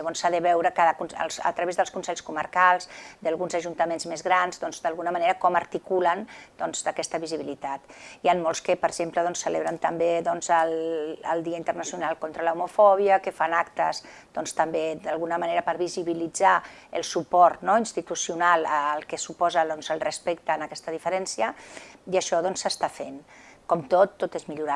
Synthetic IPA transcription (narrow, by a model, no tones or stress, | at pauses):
əβonsːaðəβɛwɾəkaðəkunə̰lˠsə̰t̪ɾəβezðəlˠskunsɛʎskuməɾkalˠzd̪əlˠɣunzəʒunt̪əmenzmezɣɾanzðɔnzd̪əlɣunəməneɾəkɔməɾt̪ikulənd̪ɔnzd̪əkɛst̪əβiziβilit̪at̪ianmolˠskəpəɾʒempləðɔnsːəleβɾənt̪əmbeðɔnzəlˠə̰lˠd̪iəint̪ərnəsjunalˠkont̪ɾələumufɔβ̞iəkəfanakt̪əz | d̪ɔnst̪əmbed̪əlˠɣunəməneɾəpəɾβiziβilid͡za | əlˠsupɔɾt̪nɔinst̪it̪usiunalˠəlˠkəsupɔzəðɔnzəlˠrəspɛk̚t̪əːnəkɛst̪əðifəɾɛnsiəiəʃɔðɔnsːəst̪afenkɔmt̪ot̪ːot̪ezmiʎuɾa